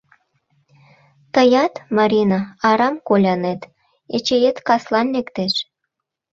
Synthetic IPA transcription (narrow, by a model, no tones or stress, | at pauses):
t̪əjɑt̪mɑɾʲinɑɑɾɑmkolʲɑnet̪ | et͡ɕejet̪kɑslɑnːekt̪eʃ